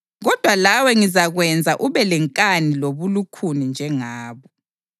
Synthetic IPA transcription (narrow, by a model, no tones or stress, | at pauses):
ɣɔd̥ʱwalawɛŋizaɣwɛnd͡zʱaʔuβɛlɛŋkʼaniloβulukʰunind͡ʒʱɛŋaːβɔ